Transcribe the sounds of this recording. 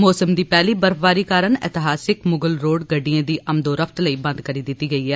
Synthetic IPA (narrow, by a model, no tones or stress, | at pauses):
mɔːsəmd̪iːpɛːliːbəɾpʰʋaːɾiːkaːɾəɳɪt̪ɪɦaːsɪkmʊɡəlɾoːɖɡəɖiãːd̪iːʔʔəmd̪oːɾəpʰt̪ləiːbə̃nd̪kəɾiːd̪ɪt̪ːiːɡəiːɛː